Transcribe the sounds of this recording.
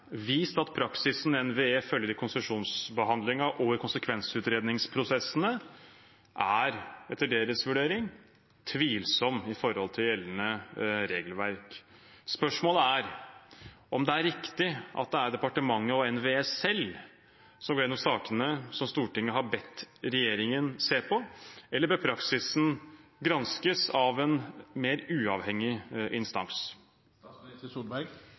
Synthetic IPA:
ʋiːst̪ɑt̪pʰɾɑksɪsn̩ɛnʋeːeːfœljəɾəkʰʊnsəʂuːnsbəɦɑnd̪lɪŋɑʔɔːʋəɾkʰʊnsəkʰʋɛnsʉːt̪ɾeːd̪nɪŋspʰɾʊsɛsənə | ʔæɾɛt̪ːəɖeːɾəsʋʉɖeːɾɪŋ | t̪ʰʋiːlsɔmːɪfɔɾhɔlt̪ʰɪljɛlːənəɾeːɡəlʋæɾkspœʂmoːləæɾ | ʔɔmd̪ɛæɾɪkt̪ɪʔɑ̰t̪̚d̪ɛæɾd̪ɛpɑʈəmɑŋːəɔɛnʋeɛsɛl | sɔmɡoːɾɪnːɔmsɑːkənəsɔmst̪uːʈɪŋːəɦɑbɛt̪ːɾɛjeːɾɪŋənseːpʰɔɛlːəɾbɛpʰɾɑksɪsn̩ɡɾɑnskəsɑʋɛnmeːɾʉːɑʋhɛŋːɪʔɪnst̪ɑ̰ŋs | bæ

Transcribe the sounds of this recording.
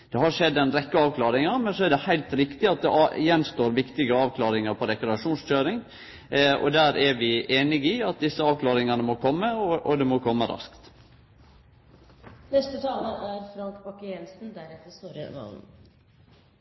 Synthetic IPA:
d̪̥ɛhɑɾʂɛd̪ːɛnɾɛkːəɑːʋkʰlɑːɾɪŋənmɛnsɔæɖɛhæɪlt̪ɾɪkt̪ɪɑt̪̚d̪ɛʔjɛnst̪oːɾʋɪkt̪ɪɡəɑːʋkʰlɑːɾɪŋəɾpʰɔd̪ɛkʊd̪ɑʂuːnsc͡çøːɾɪŋ | ɔ̰d̪æːɾʔæɾʋɪʔeːnɪɡɪɑt̪̚d̪ɪsːəɑːʋklɑːɾɪŋənəmɔkʰɔmːəɔʔɔd̪ɛmɔkʰɔmːəɾʔɑ̰skt̪ | nɛst̪ət̪ʰɑːləæɾfɾɑŋkbɑkːəjɛlsn̩d̪æɾɛt̪ːəɾst̪uːɾəʋɑ̰nn

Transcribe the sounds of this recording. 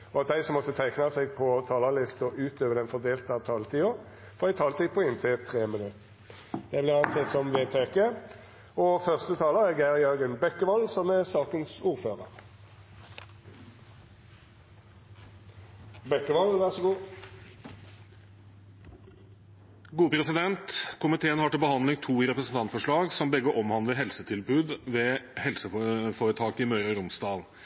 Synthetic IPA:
ɔɑt̪̚d̪æɪsɔmːɔt̪ːət̪ʰæɪknɑsɛɡpʰɔt̪ʰɑːləlɪst̪ɔʔʉːt̪øːʋəd̪ɛnfɔʁd̪eːlt̪əɑʋt̪ʰɑːlt̪ʰiːʊʁ | fɔʁæɪt̪ʰɑːlt̪ɛɡ̚pʰɔɪnt̪ʰɪt̪ʰʁeːmɪnʉt̪ | j̪ɛɪblɪːʁɑnsɛt̪sɔmʋeːt̪ʰeːkeː | ɔfœʁst̪ət̪ʰɑːləʁɛɡæʁjœɾɡənbɛkːəʋɔlsɔmæʁsɑːkənsuːʁføːʁəʁ | bɛkːəʋɑlʋæʁsɔɡuː | ɡuːəpʰɾɛsɪd̪ɛnt̪kʰʊmɪt̪ʰeːənhɑʈɪlbəhɑnd̪lɪŋt̪ʰuːɪɾɛpɾəsn̩t̪ɑnt̪fɔʂɭɑːɡsɔmbɛɡːəʔɔmhɑnd̪ləɦɛlsət̪ʰɪlbʉːd̪ʋɛːhɛlsəfoːʁət̪ʰɑːkɪmœʏɾɑɾʊmsd̪ɑːl

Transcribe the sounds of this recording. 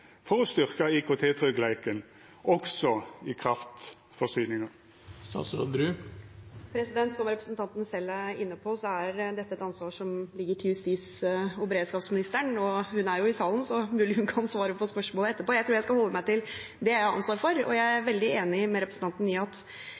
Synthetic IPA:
fɔʁɔst̪ʏʁkɑikʰot̪ʰeːt̪ʰʁœɡlæɪkən | ʔɔɡsɔɪkʰʁɑft̪ | fɔsyːnɪŋəʁ | st̪ɑ̰ːt̪sɾo̰d̪bɾʉː | pʰɾɛsɪd̪ɛnt̪sɔmɾɛpɾəsnt̪ʰɑnt̪nsɛlːæɪ̰nːəpʰɔːsɔæɾd̪ɛt̪ːəɛt̪ɑnsʋɑːʂɔmlɪɡːəʈʰyːst̪isʊbəɾeːd̪skɑːpsmɪnɪst̪əɳɔhʉnæɾjʊɪsɑːlən̩sɔmʉːlɪhʉnkʰɑnsʋɑːɾəpʰɔspœʂmoːləɛt̪ːəpʰoːjæt̪ʰɾuːɾjæɪskɑhɔlːəmæɪt̪ɪl | d̪ɛæɪɑ̰nsʋɑːɾfɔɾɔ̰jæɪæɾʋɛld̪ɪeːnɪmɛɾɛpɾəsn̩t̪ɑnt̪n̩ɪɑt̪

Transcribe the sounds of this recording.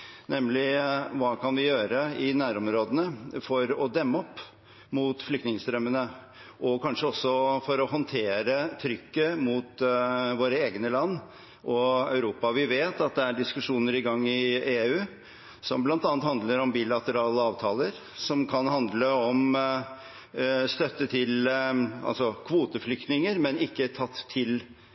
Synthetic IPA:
nɛmlɪʋɑːkʰɑnʋɪjøːɾəɪnæːɾɔmɾoːd̪ənəfɔɾɔd̪ɛmːəɔpː | muːt̪flʏkt̪nɪŋst̪ɾœmːənə | ʔɔkʰɑnʂəɔsːɔfɔɾɔɦɔnt̪ʰeːɾət̪ʰɾʏkːəmuːt̪ʋoːɾəeːɡənəlɑnː | ʔɔɑ̰ʉɾuːpɑʋɪʋeːt̪ɑt̪̚d̪ɛæɖɪskʉʂuːnəɾɪɡɑŋːɪeːʉː | sɔ̰mblɑnt̪ɑnt̪hɑnd̪ləɾɔmbilɑt̪əɾɑːləɑːʋt̪ʰɑːləɾ | sɔmkʰɑnhɑnd̪ləɔm | st̪œt̪ːət̪ʰɪlɑ̰lsɔkʰʋuːt̪əflʏkt̪nɪŋəɾmɛnɪkːət̪ʰɑt̪ʰːɪl

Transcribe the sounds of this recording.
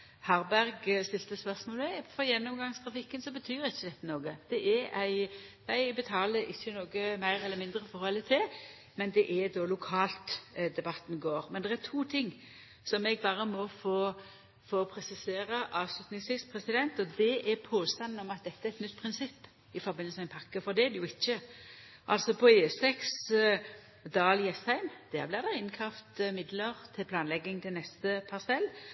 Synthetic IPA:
hɑɾbæɾɡst̪ɪlt̪əspœʁsmoːlmɛfɔɾjɛnːɔmɡɑŋst̪ʰʁɑfɪkːənsɔbət̪ʰyːɾɪçːəd̪ɛt̪ːənoːɡəd̪̥ɛʔɛɾæɪjæɪbət̪ʰɑːləɾɪçːənoːɡəmæɪɾɛlːəmɪnd̪ɾəfɔɾhɔlːət̪ʰɪl | mɛnd̪ɛʔɛd̪ɔlʊkʰɑːlt̪d̪ɛbɑt̪ːn̩ɡoːɾmɛnd̪ɛʁæt̪ʰuːt̪ʰɪŋː | sɔmɛɡ̚bɑːɾəmɔfoː | foːpʰɾɛsɪseːʁəʔɑːʋslʉt̪nɪŋsʋiːspʰʁɛsɪd̪ɛnt̪ɔd̪ɛʔɛɾpʰoːst̪ɑnn̩ɔmɑt̪̚d̪ɛt̪ːəæɾɛt̪nʏt̪ːpʰʁɪnsɪpː | ɪfɔʁbɪnl̩smɛnpʰɑkːəfɔʁd̪ɛæd̪ɛjʊɪçːə | ʔɑlsɔpʰɔeːɛsɛks | d̪ɑːljɛshæɪmd̪̥æːʁblɪʁd̪ɛɪnkʰɑft̪mɪd̪ləʁt̪ʰɪlpʰlɑːnlɛɡːɪŋt̪ʰɪlnɛst̪əpʰɑʁsɛlː

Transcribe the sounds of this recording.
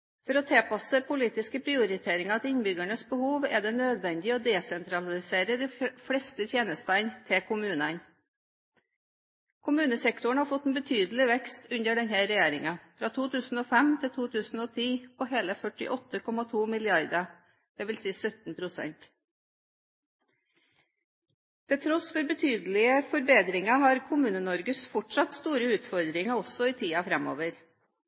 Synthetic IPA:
fɔɾɔt̪ʰeːpɑsəpʰʊliːt̪ɪskəpʰɾɪʊɾɪt̪ʰeːɾɪŋɑɑt̪ɪnbʏɡæɳəsbəhuːʋæ̰d̪ɛnøːd̪ʋɛnd̪ɪɔd̪ɛsɛnt̪ɾɑlɪseːɾəd̪ɪfɽɛst̪ət̪ʰjeːnəst̪ænt̪ʰɪkʊmʉːnən | kʰʊmʉːnəsɛkt̪ʊɳ̩hɑːɾfɔt̪ːɛnbət̪ʰyːd̪l̩ɪʋɛkst̪ʉnd̪əɖɛnhəɾɛjeːɾɪŋɑfɾɑːt̪ʰuːt̪ʉːsn̩oːfɛmt̪ʰɪlt̪ʰuːt̪ʰʉːsn̩oːt̪ʰiːpʰoːheːləfœʈɪ̰ʔɔt̪ːəkʰɔmɑt̪ʰuːmɪlɪɑɾd̪ɑ | d̪̥ɛːʋɪlsiːsœt̪n̩pʰɾʊsɛ̰nt̪ | t̪ʰɪlt̪ʰɾɔsfɔɾbət̪ʰyːd̪l̩ɪəfɔɾbeːd̪ɾɪŋɑɦɑːɾkʰʊmʉːnənɔɾɡəsfɔʈʂɑt̪st̪uːɾəʉːt̪fɔɾd̪ɾɪŋɑɔsɔiːt̪ʰiːɑfɾɛmo̰ːʋəɾ

